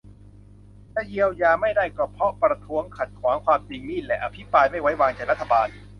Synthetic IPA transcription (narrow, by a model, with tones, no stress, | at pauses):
tɛ˧˥˩ji˧əwjaː˧ma˥˩jdaː˥˩jkɔː˥˩pʰɾɔ˦˥pɾa˧t̪ʰu˦˥əŋkʰa˨˩t̪̚kʰwaː˩˦ŋkʰwaː˧mt͡ɕi˧ŋniː˥˩lɛ˨˩ʔa˧pʰi˦˥pɾaː˧jma˥˩jwa˦˥jwaː˧ŋt͡ɕa˨˩jɾa˦˥t̪ʰːa˧baː˧n